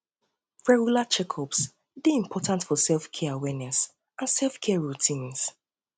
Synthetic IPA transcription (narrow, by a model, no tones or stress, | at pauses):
fɹɛɡulat͡ʃɛkʰɔps | deĩmpʰɔtʰãntfɔsɛlˠfkʰɛawɛnɛs | ãnsɛlfkʰɛɹutʰĩns